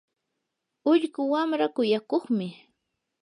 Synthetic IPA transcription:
ʊʎɢʊwamɾakʊjakoχmɪ

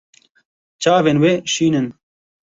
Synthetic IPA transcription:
t͡ʃaːveːnweːʃiːnɨn

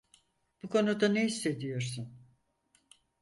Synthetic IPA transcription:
b̥ukʰo̞nud̪aneisːe̞d̪ijo̞ɾsun

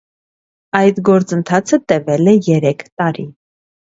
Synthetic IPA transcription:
ɑjt̪ɡɔɾt͡sənt̪ʰɑt͡sʰət̪ɛvɛlɛjɛɾɛkʰt̪ɑɾḭ

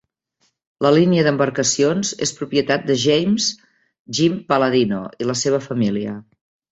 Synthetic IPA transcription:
ləliniəðəmbəɾkəsionzespɾupiət̪at̪̚d̪əʒejmz | ʒimpələðino̰iləseβ̞əfəmiliə

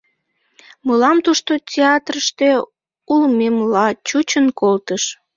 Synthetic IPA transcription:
məlɑmt̪uʃt̪otʲeɑt̪rəʃt̪e | ulmemlɑt͡ɕut͡ɕənkolt̪əʃ

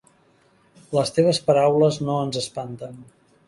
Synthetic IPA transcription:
ləst̪eβ̞əspəɾawləznoənzəspant̪ən

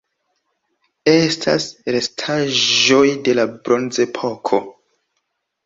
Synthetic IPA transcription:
e̞stʰasɾe̞stʰaʒo̞jde̞labɾo̞nze̞pʰo̞kʰo̞

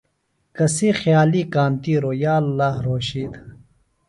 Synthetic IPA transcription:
kɐseːxjaːliːkaːnt̪iːɾoːjaːlːaːɦɾoːɕiːd̪

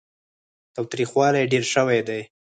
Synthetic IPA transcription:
t̪ɑwt̪ɾixwɑlajɖeɾʃəwajd̪aj

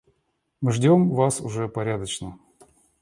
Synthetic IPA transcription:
mɨʐdʲo̞mvasʊʐɛpɐɾʲad̪ət͡ɕnə

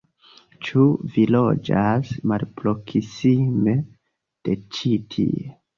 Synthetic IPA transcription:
t͡ʃuvilo̞d͡ʒasmalpɾokisime | d̥e̞t͡ʃitʰḭe

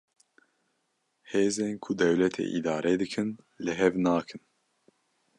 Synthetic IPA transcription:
heːzeːnkʰʊd̪ɛwlɛt̪ʰḛːʔid̪ɑːɾeːd̪ɨkʰɨn | lɨɦɛvnaːkʰɨn

